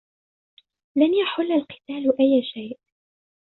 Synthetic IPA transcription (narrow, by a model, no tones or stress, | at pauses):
lanjaħʊlːalqɪ̥t̪aːlʔajːaʃajʔ